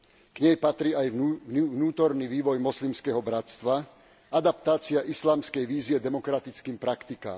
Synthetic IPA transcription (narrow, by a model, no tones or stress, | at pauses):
ɡ̥ɲɛjpat̪ɾiːajʋnuːt̪ɔɾniʋiːʋɔjmɔslimskɛɦɔbɾat̪st̪ʋa | ad̪apt̪aːt͡siaʔislaːmskɛjʋiːziɛd̪ɛmɔkɾat̪it͡skiːmpɾakt̪ika̰ːm